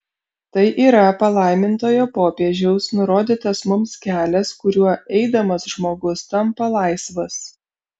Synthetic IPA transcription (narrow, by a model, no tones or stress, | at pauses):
t̪ɐɪʔiːɾɐpɐlˠɐˑɪmʲɪnt̪oːjoːpoːpʲeɛʒʲɛʊsnʊɾoːd̪ʲiːt̪ɐsmʊmskʲæːlʲɛskʊɾʲuɔɛɪd̪ɐmɐsʒmoːɡʊst̪ɐmpɐlˠɐɪsʋɐs